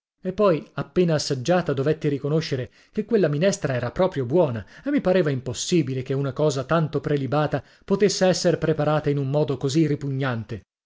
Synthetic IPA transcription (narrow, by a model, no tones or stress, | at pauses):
epːɔjapːeːnaːsːad͡ʒːaːt̪ad̪ovet̪ːiɾikonoʃːeɾe | k̟ekːwelːaminɛst̪ɾaɛːɾapɾɔːpɾjobwɔːnaemːipaɾeːvaimposːiːbilekeunakɔːzat̪ant̪opɾelibaːt̪a | pot̪esːeɛsːeɾpɾepaɾaːt̪ainumːmɔːd̪okoziripuɲːant̪e